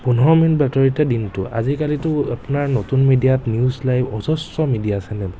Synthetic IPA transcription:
punɔɔɔminbatɔɹitɛdintʊa̰zikalitʊapunaɹnotunmidijatnijuzlajbɔsɔsːɔmidijasɛnɛ

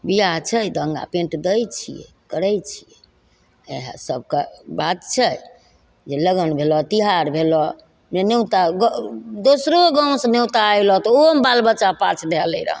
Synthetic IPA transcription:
bijat͡ʃʰɛjd̪əəŋɡa̰pẽɳʈd̪əjt͡ʃʰijɛ̰ | kəɾɛjt͡ʃʰijɛ | eɦə̰̃səb̚ʱkebat̪t͡ʃʰɛ | d͡ʒeləɡənbʱelɔt̪iɦaɾbʱelɔ | menewt̪aɡd̪osɾoɡaw̃snewt̪aːjlɔt̪ɔombalbətːt͡ʃːapat͡ʃʰd̪ʱɛləjɾə̰ɦ

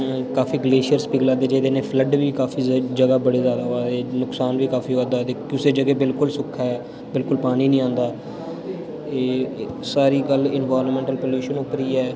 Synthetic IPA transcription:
kaːfiːɡleːʃəɾsbiːɡlaːd̪eːd͡ʒeːd̪enẽːpʰləɖʋiːkaːfiːd͡ʒəɡaːbəɽeːzjaːd̪aːɦoaːd̪eːnʊksaːnʋiːkaːfiːaːd̪ad̪eːkʊseːd͡ʒəɡeːbɪlkʊlsʊkʰːaːɛː | bɪlkʊlpaːniːnĩːãːnd̪aː | eːsaːɾiːɡəlɪnʋaːɾnmɛ̃ːɳʈəlpoːljuːʃənʊpɾiːɛː

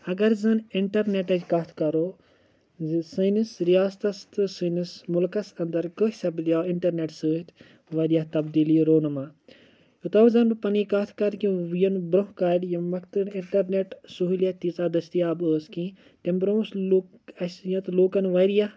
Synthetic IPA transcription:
ɐɡɐɾzɐnɪɳʈɐɾneʈɐd͡ʒʲkɐt̪ʰkɐɾoː | sɨnɨsɾijaːst̪ɐst̪ɨsɨnismulkɐsɐnd̪ɐɾkəɦsɐblʲjaːiɳʈɐɾneʈsɨːɦt̪ | ʋɐɾijɐɦt̪ɐbd̪iːliɾoːnɐmaː | jut̪ɐwzɐnbɨpɐnikɐt̪ʰkɐɾkĩʋjɐnbɾɐɦkaːɖjɐmɐkʰt̪ɨniɳʈɐɾneʈsuɦiljɐt̪iːt͡saːd̪ɐst̪iaːbəːskĩ | ʈembɾõːslɐsjɐt̪loːkɐnʋɐɾijaɦ

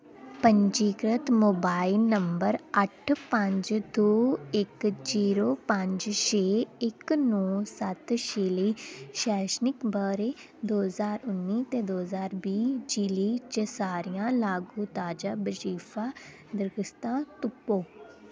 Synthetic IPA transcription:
pəɲd͡ʒiːkɾət̪moːbaːɪlnəmbəɾəʈʰpəɲd͡ʒd̪oːɪkd͡ʒiːɾoːpəɲd͡ʒʃeːɪknɔ̃ːsət̪ʃeːliːʃɛːʃnɪkbəɾeː | d̪oːɦəzaːɾʊnːiːt̪eːd̪oːɦəzaːɾbiːd͡ʒiliːt͡ʃəsaːɾijãːlaːɡuːt̪aːd͡ʒaːbəd͡ʒiːpʰaː | d̪əɾɡəst̪ãːt̪ʊpːoː

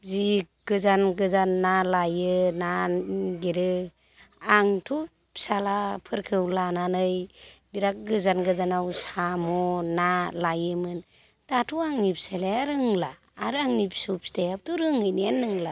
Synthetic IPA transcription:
zi | ɡ̥ɯzanɡɯzanːalajɯnaɡeɾɯ | aŋtʰu | salapʰɯɾkʰɯwlananɯjbiɾak̚ɡɯzanɡɯzanawsamɔnalajɯmɯn | tatʰuaŋnip̚saleaɾɯŋlaː | ɾɯaŋnip̚sup̚stejap̚tuɾɯŋɯjnianːɯŋla

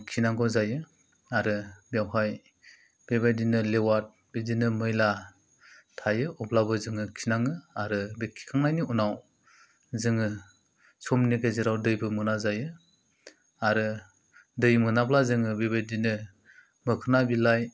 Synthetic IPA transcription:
kʰinaŋɡɔzajɯ | aɾɯbjawɦaj | b̥ebajdinɯlewat̚ | bedinɯmɯjla | tʰajɯʔɔblabɯzɯŋɯkʰinaŋɯaɾɯbekʰːi̥kʰaŋnajniunaw | zɯŋɯ | sʰɔmniɡeziɾawdɯjbɯmɯnazajɯ | aɾɯ | dɯjmɯnablazɯŋɯbebajdinɯ | mɯkʰɯnabilaj

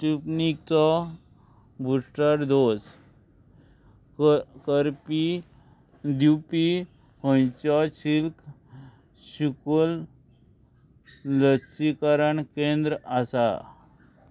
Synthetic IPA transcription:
ʈipnik̚t͡sɔ | bʱuʂʈəɾd̪os | kəɾpi | d̪upi | pə̃jt͡ɕɔɕilk | ɕukol | ləksikaɾəɳkẽnd̪ɾəasa̰

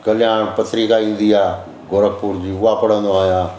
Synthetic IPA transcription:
kɐlɪjaːnpɐt̪ʰɾikaĩːn̆d̪iaː | ɡoːɾək̚puɾd͡ʑiːʊapɐɽə̃nd̪oaːjãː

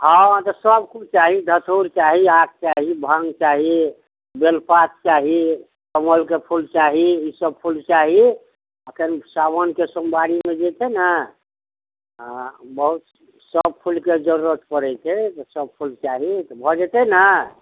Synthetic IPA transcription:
ɦãt̪ɔsəb̚kʰubt͡ʃaɦid̪ʱət̪ʰoɾt͡ʃaɦiak̚t͡ʃaɦibʱãŋɡt͡ʃaɦi | belpat̪̚t͡ʃaɦi | k̪əməlkepʰult͡ʃaɦiisəb̚pʰult͡ʃaɦi | əkʰənsabənkesəmbaɽimed͡ʒet̪ɛna | bəɦut̪ | səb̚pʰulked͡ʒəɾuɾət̪pəɾɛt̪et̪ɔsəb̚pʰult͡ʃaɦit̪ɔbʱɔd͡ʒet̪ɛna

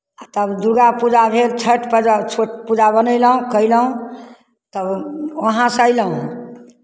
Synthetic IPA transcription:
at̪əbd̪uɾɡapud͡ʒabʱeɾt͡ʃʰəʈpəat͡ʃʰoʈpud͡ʒabənəjləɦũkəjləɦũ | t̪əbəɦãsajləɦũ

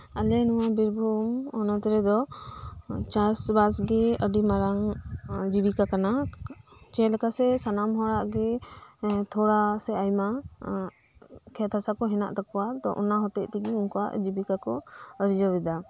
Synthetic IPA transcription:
alɛnuwabiɾbʱumɔnɔt̪ɾɛd̪ɔ | t͡ʃasbasɡɛəɖimaɾaŋd͡ʒibikakana | t͡ʃɛ̃lɛkasɛsanamɦɔɾaʔɡɛ | t̪ʰɔɽasɛajma | kʰɛt̪ʰasakɔɦɛna̰ʔt̪akɔwat̪ɔ̰ʔɔ̰naɦɔt̪ɛʔt̪ɛɡɛuŋkɔwa̰ʔd͡ʒibikakɔəɾid͡ʒɔbɛd̪a

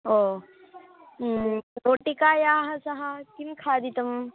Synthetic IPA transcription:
oː | ɾoːʈikaːjaːɦɐsɐɦɐkinkʰaːd̪it̪ɐm

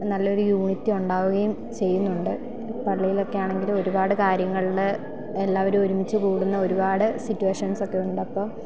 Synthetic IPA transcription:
nɐlːɐo̞ɾujuːɳit̪ːiuɳɖaːʋuɣɐjum | t͡ɕe̞jːunːuɳɖɨ | pɐɭːijilo̞kːejaːɳe̞ŋɡilo̞ɾubaːɽɨkaːɾjɐŋːɐɭiɽe | elːaːʋɐɾumoɾumit͡ɕːɨkuːɽunːɐo̞ɾubaːɽɨsitːueʂɐnso̞kːe̞unːɖɐpːo̞ː

